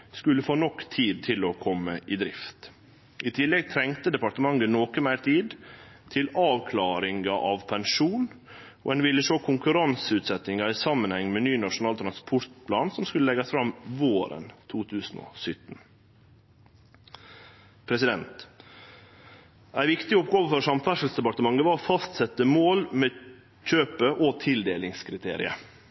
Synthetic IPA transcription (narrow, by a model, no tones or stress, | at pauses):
skʉləfoːnɔkt̪ʰiːd̪̚t̪ʰɪlɔkʰɔmːəʔɪd̪ɾɪft̪ | ʔɪt̪ʰɪlːɛɡ̚t̪ʰɾɛŋt̪əd̪ɛpɑʈ̪əmɑŋːənɔːkəmæɪɾʈ̪ʰiːd̪ | t̪ʰɪlɑːʋkʰlɑːɾɪŋɑʔɑʋpʰɛŋʂuːn | o̰ɛnʋɪlːəʂoːkʰʊŋkʉɾɑnsəʉːt̪sɛt̪nɪŋɑɾɪsɑmːənhɛŋːmeːnyːnɑʂʊnɑːlt̪ɾɑnspʰɔɾt̪̚pʰlɑːnsɔmskʉləɛɡɑsfɾɑmʋoːɾə̰nt̪ʰuːt̪ʰʉːsn̩o̰ːsʏt̪ːn̩ | pʰɾɛsɪd̪ɛnt̪ | æɪʋɪkt̪ɪɔpɡoːʋəfɔɾʂɑmfæʂəl̩sd̪ɛpɑʈt̪əmɑŋːəʋɑːɾɔfɑst̪sɛt̪ːəmoːlmeː | c͡çøːpəʔɔt̪ʰɪld̪eːlɪŋskʰɾɪt̪ʰḛːɾɪ̰ə